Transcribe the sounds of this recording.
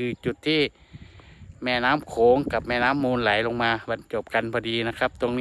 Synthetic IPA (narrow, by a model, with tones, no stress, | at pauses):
ɯː˧t͡ɕu˨˩t̪ʰːiː˧˥˨ | mɛː˧˨naː˧˥˨mkʰoː˨˦ŋka˨˩p̚mɛː˧˨naː˦˥˨mːuː˧nla˨˦jlo˧ŋmaː˧ba˨˧˦nt͡ɕo˨˩p̚ka˧˨nbʰɔː˧diː˧na˧˥˩kʰa˦˥p̚t̪o˧ŋnː˧